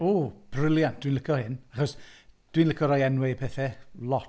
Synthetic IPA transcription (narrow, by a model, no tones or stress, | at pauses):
oːb̥ʰrɪlˠjand̥winlɪkʰɔhɪnaχɔsd̥winləkʰɔɾɔjɛnwɛpʰɛθɛlˠɔt